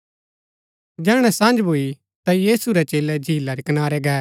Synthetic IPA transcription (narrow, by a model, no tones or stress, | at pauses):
d͡ʒɛːɽ̃ɛ̃sɐ̃nd͡ʒbʱoːi | t̪ajiːsuɾɛt͡ʃeːlɛd͡ʒʱiːlaɾɛkənaːɾɛɡɛː